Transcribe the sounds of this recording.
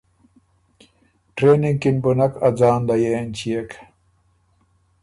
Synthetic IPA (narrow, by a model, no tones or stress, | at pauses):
ʈɾeːniŋɡkinbunakad͡zaːnd̪ajent͡ɕijek